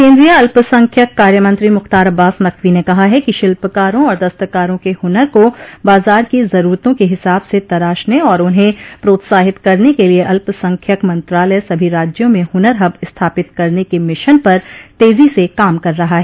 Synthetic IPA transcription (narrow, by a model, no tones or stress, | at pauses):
kẽːnd̪ɾijaɐlpsɐ̃ŋkʰjəkːaːɾjəmɐ̃nt̪ɾimʊxt̪aːɾɐbaːsnɐkʰʋinekɐɦaɦɛkiʃɪlpəkaːɾõɔːɾd̪ɐst̪əkaːɾõkehʊnəɾkobaːzaːɾkizɐɾuːɾt̪õkeɦɪsaːbset̪ɐɾaːʃneɔːɾʊnɦẽpɾoːt̪saːɦɪt̪kɐɾnekelieʔɐlpsɐ̃ŋkʰjəkmɐ̃nt̪ɾaːləjsɐbʱiɾaːd͡ʒjõmẽhʊnəɾɦɐbɪst̪ʰaːpɪt̪kɐɾnekemɪʃənpɐɾt̪eːzisekaːmkɐɾːɐɦaɦɛː